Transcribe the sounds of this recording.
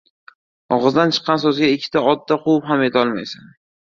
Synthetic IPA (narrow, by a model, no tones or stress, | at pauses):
ɒʁɨzd̪ant͡ʃʰɨ̥qːɑnsɵzɡʲaɪkʲʰːɪ̥t̪ʰaɒd̪̚ːaqʰowʊpɦame̞t̪ʰɒlˠmajsan